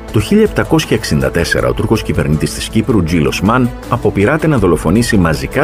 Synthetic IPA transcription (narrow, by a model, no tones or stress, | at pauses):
t̪o̞çiʎɐep̚t̪ɐko̞sçɐeksind̪ɐt̪e̞se̞̰ɾɐ̰o̞t̪uɾko̞scive̞̰ɾnit̪ist̪i̥scipɾud͡ʒilo̞̰smɐn | ɐpo̞piɾɐt̪e̞nɐðo̞lo̞fo̞nisimɐzikɐ